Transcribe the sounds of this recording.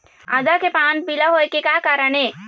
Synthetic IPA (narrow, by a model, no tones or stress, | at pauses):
ad̪akepãːnbilaɦoːekekaːkaːɾəneː